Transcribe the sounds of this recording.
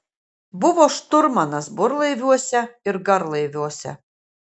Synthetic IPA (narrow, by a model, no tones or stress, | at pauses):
bʊʋɔːʃt̪ʊɾmɐnɐsbʊɾlˠɨjʋʲuɔsʲɛɪɾɡaɾlˠɨjʋʲuɔsʲɛ̰